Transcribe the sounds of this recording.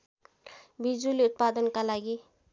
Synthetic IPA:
bid͡ʒuliʊt̪̚pad̪ənkalaɡi

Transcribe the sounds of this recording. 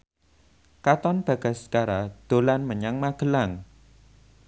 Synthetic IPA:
kat̪ɔnb̥a̤ɡ̥a̤sə̥kaɾad̪̥o̤lanməɲaŋmaɡ̥ə̤laŋ

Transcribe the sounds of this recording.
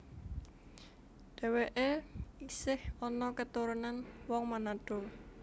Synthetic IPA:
ɖ̥ɛ̤weʔeisɪhɔnɔkət̪uɾunanwɔŋmanaɖ̥o̤

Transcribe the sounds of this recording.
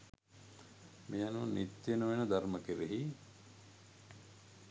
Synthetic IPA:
mejanunit̪jenuʋenəd̪aɾməkeɾeɦi

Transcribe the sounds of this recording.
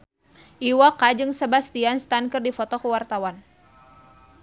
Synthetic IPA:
ʔiwakad͡ʒɨŋsəbast̪ianst̪ankərdifɔt̪ɔkəwart̪awan

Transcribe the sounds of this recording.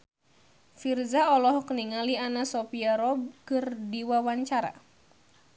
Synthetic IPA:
firzaɔlɔhkəniŋalianasɔpiaɾɔb̚kɨrdiwawaɲt͡ʃaɾa̰

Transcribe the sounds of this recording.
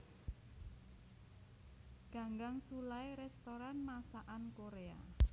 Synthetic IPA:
ɡ̥a̤ŋɡaŋsulaeɾɛst̪oɾanmasaʔankoɾea̰

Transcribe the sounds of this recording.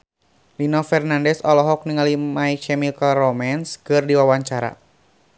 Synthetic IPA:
linɔfɛrnandɛsɔlɔɦɔk̚niŋalimait͡ʃɛmilkarɔmanskɨrdiwawaɲt͡ʃaɾa̰

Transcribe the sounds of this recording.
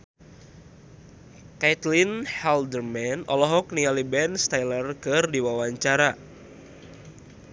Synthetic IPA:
kajt̪linhɛldərmɛnɔ̰lɔɦɔk̚nialibɛnst̪ajlərkɨrdiwawaɲt͡ʃaɾa

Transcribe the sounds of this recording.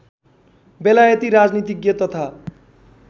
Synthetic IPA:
belajʌt̪iɾad͡znit̪iɡjet̪ʌt̪ʰa

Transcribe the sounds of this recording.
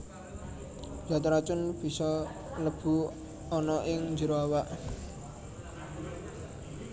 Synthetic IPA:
d͡ʒ̥at̪ɾat͡ʃʊnb̥i̤sɔ | ləb̥ṳ | ɔnɔʔɪŋd͡ʒəɾoawaʔ

